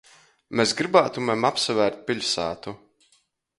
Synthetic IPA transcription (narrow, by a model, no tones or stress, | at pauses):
mesɡɾibaːt̪umɛmapsavæːɾt̪̚pʲiʎʲsaːt̪u